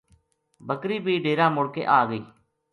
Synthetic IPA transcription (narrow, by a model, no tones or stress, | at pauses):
bəkɾiːpiːɖeːɾãːmʊɽkḛːʔaːɡəḭː